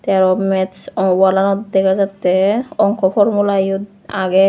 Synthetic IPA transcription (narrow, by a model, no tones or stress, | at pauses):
t̪ɛaɾɔmɛswalanɔt̪d̪ɛkʰazat̪ːeɔŋkɔfʰɔɾmulajɔt̪ | aɡɛ